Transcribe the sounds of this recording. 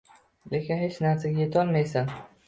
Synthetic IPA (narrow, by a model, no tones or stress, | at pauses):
le̞kʲɪnhet͡ʃnaɾsaɡʲaje̞t̪ʰɒlˠmajsan